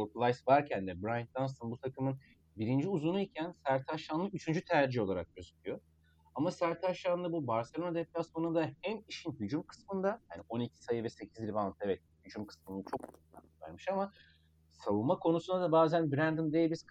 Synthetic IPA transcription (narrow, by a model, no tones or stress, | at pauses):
oɾplˠajsvaɾcʰænd̪ɛbɾajnd̪ansonbut̪ʰakʰɯmɯn | biɾind͡ʒiuzunuicʰænsæɾt̪ʰaʃanlˠɯyt͡ʃʰynd͡ʒyt̪ʰæɾd͡ʒio̞lˠaɾak̚ɟøzycʰʲyjo̞ | amasæɾt̪ʰaʃanlˠɯbubaɾselʲo̞nad̪ep̚t̪ʰasonud̪ahɛmiʃinhyd͡ʒumkʰɯ̥smɯnd̪ajaːnio̞nicʰi̥sajɯvɛse̞cʰizd̪ɾivanˠt̪evɛt̪̚hyd͡ʒymkʰɯ̥smɯnat͡ʃʰo̞k̪̚ˠa̰nvæ̰ɾmɯʃama | savunmakʰo̞nusund̪ad̪abaːzænbɾænd̪ɯmd̪ejbiz̥k